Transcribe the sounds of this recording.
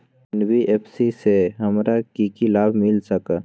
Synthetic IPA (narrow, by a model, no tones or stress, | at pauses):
nbiʔeːpʰsiseɦɐmɾakikilaːbʱmɪlsək